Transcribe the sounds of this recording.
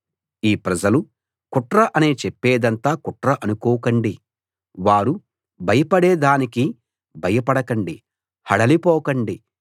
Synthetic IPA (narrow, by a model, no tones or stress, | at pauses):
iːpɾɐd͡ʒɐlu | kuʈɾɐʔɐneːt͡ʃepːeːd̪ɐnt̪aːkuʈɾɐʔɐnukɔːkɐɳɖi | ʋaːɾu | bʱɐjɐpɐɽeːd̪aːniki | bʱɐjɐpɐɽɐkɐɳɖi | hɐɽɐlipɔːkɐɳɖi